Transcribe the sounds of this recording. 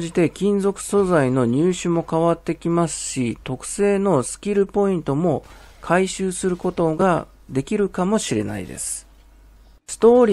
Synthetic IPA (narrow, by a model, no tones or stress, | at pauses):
ʑit̪e̞kʲĩnzo̞kɯ̟̥so̞zaino̞ɲ̟ɨːɕɨmo̞kaβat̪ːe̞kʲimasɨ̥ɕit̪o̞kɯ̟̥se̞ːno̞sɨ̥kʲiɾɯ̟po̞ĩnt̪o̞mo̞kʰaiɕɨːsɨɾɯ̟ko̞t̪o̞ɡa | d̪e̞kʲiɾɯ̟kamo̞ɕiɾe̞na̰ḭd̪ḛsɨ̥ | sɨ̥t̪o̞ːɾʲi